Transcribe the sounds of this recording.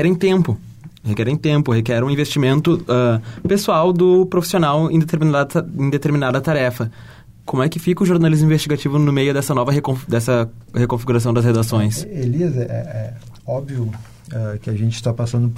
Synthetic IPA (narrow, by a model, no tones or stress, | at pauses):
kɛɾẽj̃t̪ẽmpʊ | hekɛɾẽj̃t̪ẽmpʊhekɛɾũĩvest͡ʃimẽnt̪ʊɛpesuawd̪ʊpɾofi̥sionawḛ̃d̪et̪eɾminaẽd̪et̪eɾminad̪ɐt̪aɾɛfɐ | kõmʊɛkɪfikɐʊʒoɾnalizmũĩvest͡ʃiɡat͡ʃivʊnʊmejʊd̪ɛsɐnɔvɐɦekõd̪ɛsɐhekõfiɡuɾas̬ɐ̃w̃d̪ɐshed̪asõj̃seliɐzɛʔɛɛ | ɔbviʊ | ɛkɪaʒẽnt͡ʃɪ̥st̪apasɐ̃nd̪ʊ